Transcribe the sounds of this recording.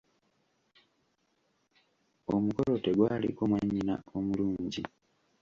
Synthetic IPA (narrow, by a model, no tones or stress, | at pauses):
omuko̞lo̞te̞ɡwaːlḭkomwaɲːina̰o̞muluːɲɟi